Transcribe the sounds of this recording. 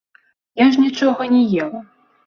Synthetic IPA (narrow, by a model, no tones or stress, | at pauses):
jaʐnʲit͡ʂɔɣɐnʲɛjɛlˠɐ